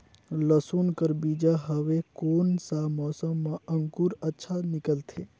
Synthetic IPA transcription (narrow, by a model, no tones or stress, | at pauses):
ləsunkəɾbid͡ʒaɦəʋekoːnsamɔsəmːãəŋkuɾətːʃʰanikəlt̪ʰe